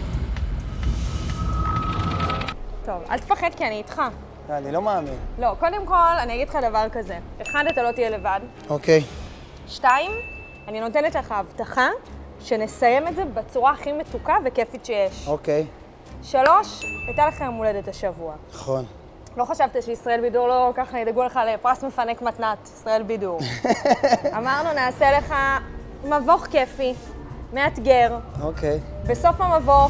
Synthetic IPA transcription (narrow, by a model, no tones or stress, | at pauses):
to̞va̰lt̪efaχedkianiːtχa | anilo̞maːminlo̞ko̞de̞mko̞lanijaɡidχadavaʁkaze̞eχadatalo̞tijele̞vad | okej | ʃtaim | anino̞te̞ne̞tleχaavtaχa | ʃe̞ne̞saje̞metze̞bet͡suʁaːχime̞tukave̞ke̞fitʃejeʃokej | ʃalo̞ʃajtaleχamoledetaʃavuanaχon | lo̞χaʃavtiʃeisʁaelbiduʁlo̞kaχnaid̪aɡuleχalepʁasme̞fanekmatnatisʁae̞lbiduʁ | amaʁnunaːse̞le̞χa | mavo̞χke̞fimeatɡe̞ʁokejbe̞so̞famavo̞